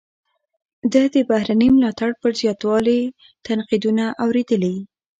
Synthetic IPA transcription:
d̪əd̪əbahɾanəmlɑt̪aɽpəɾzjɑt̪wɑle | t̪anqid̪unaʔawɾed̪əli

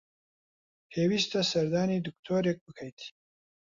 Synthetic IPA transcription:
hewist̪asɐɾd̪ɑnid̪ʊk̚t̪ʰoɾek̚bəkʰajt̪ʰi̥

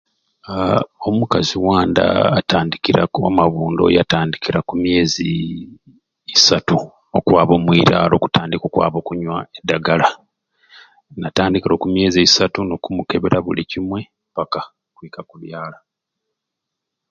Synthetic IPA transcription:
omukaziwaːnda̰ːtaːndikiɾa̰komaβuːndo̞̰jataːndikiɾakumje̞ːzḭ | satu | o̞kwaːβo̞ːmwiɾalo̞̰ku̥taːndiko̞kwa̰ːβo̞kuɲwaedːaɡala | nataːndikiɾo̞kumje̞ːziːsatuno̞kumuke̞βeɾʔaβulicimwe̞ | paka | kwikakuβjaːla

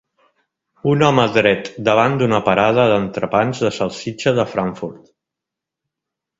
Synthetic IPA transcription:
unɔməðɾɛt̪d̪əβ̞and̪unəpəɾað̞əðənt̪ɾəpanzðəsəlˠsid͡ʒəðəfɾaɱfuɾt̪

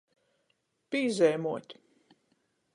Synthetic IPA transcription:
piːzɛjmuɔt̪ʲ

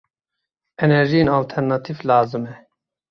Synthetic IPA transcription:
ɛnɛɾʒijenalt̪ʰɛɾnɑt̪ʰivlaːzɨmɛ

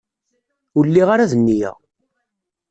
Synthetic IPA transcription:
ʊlːiʁaɾaðənːijæ̰ʁ

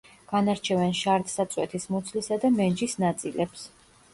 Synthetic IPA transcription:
ɡ̥anaɾt͡ʃʰɛvɛnʃaɾt̪sat̪sʼwɛ̰t̪ʰismɔt̪sʰlisad̪amɛnd͡ʒisnat̪sʼilɛps

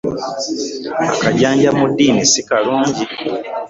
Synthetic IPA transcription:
a̰kaɟaːɲɟamudːiːnisikaluːɲɟi

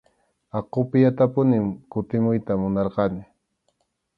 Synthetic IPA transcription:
ɑqopɪjat̪apʊnɪmkʊt̪ɪmʊjt̪amʊnɑɾqɑnɪ

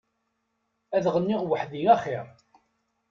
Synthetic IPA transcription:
æðʁənːiʁwəħðiæχiɾˤ

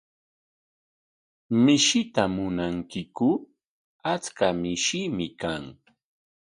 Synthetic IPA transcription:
mɪʃɪt̪amʊnaŋkɪkʊ | at͡skamɪʃimɪkaŋ

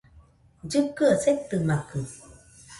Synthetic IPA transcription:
zɨp̚kɨəsek̚t̪ɨmakɨ

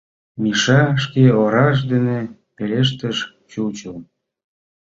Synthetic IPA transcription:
miʃɑʃkeoɾɑʃ̬d̪enepeleʃ̬t̪əʃ | t͡ɕut͡ɕəl

